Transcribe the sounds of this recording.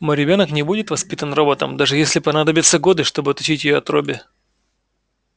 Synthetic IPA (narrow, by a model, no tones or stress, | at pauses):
moɾʲɪbʲo̞nəknʲɪbudʲɪt̪vɐspʲit̪ənrobət̪əmd̪aʐɨjesʲlʲɪpɐnad̪əbʲɪt̪səɡo̞d̪ɨʂt̪o̞bɨɐt̪ɐt͡ɕitʲjɪjoɐt̪ɾobʲɪ